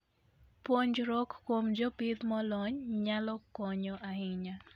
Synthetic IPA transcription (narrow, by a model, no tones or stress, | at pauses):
poɲd͡ʒɾɔkːwomd͡ʒopɪd̪mɔlɔɲɲalɔkɔɲɔʔaɦɪɲa